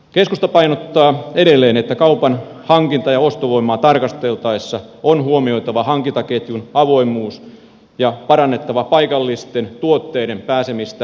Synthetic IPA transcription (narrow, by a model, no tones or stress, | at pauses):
keskust̪ɑpɑinot̪ːɑːeɾelːeːnet̪ːækɑupɑnhɑŋkint̪ɑjɑost̪oʋoimˑɑːt̪ɑrkɑst̪elt̪ɑesːɑonhuomio̞it̪ɑʋɑhɑŋkint̪ɑket̪junɑʋo̞imˑuːs | jɑpɑɾɑnːet̪ːɑʋɑpɑikɑlːist̪ent̪uot̪ːeːɾempæːsemist̪æ